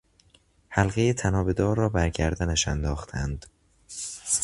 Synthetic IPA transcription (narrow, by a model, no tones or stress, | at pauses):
hælɣejet̪ʰænɒːbe̞d̪ɒːɾːɒːbæɾɟæɾd̪ænæʃænd̪ɒːxt̪ʰænd̪̥